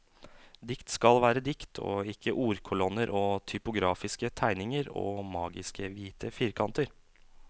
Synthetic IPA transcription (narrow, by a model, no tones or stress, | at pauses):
d̪ɪkt̪skɑlʋæːɾəd̪ɪkt̪ʰo̰ːɪkʰːəʔuːɾkʰʊlɔnəɾʔoːt̪ʰʏpʊɡɾɑːfɪskət̪ʰæɪnɪŋəɾo̰ːmɑːɡɪskəʋiːt̪əfiːɾkʰɑnt̪əɾ